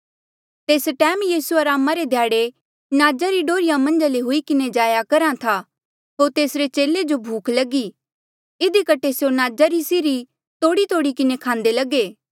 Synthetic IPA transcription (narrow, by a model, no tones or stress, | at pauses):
t̪eːsʈɛːmjiːsuaɾaːmaɾed̪ʱjaːɽe | naːd͡ʒaɾiɖoːɾɪjãmɐ̃nd͡ʒaleɦʊikɪned͡ʒaːjakɐɾãt̪ʰa | ɦoːɾt̪eːsɾet͡ʃeːled͡ʒobʱuːkʰlɐɡi | ɪd̪ikɐʈʰesjonaːd͡ʒaɾisɪɾi | t̪oːɽit̪oːɽikɪnekʰãːnd̪elɐɡeː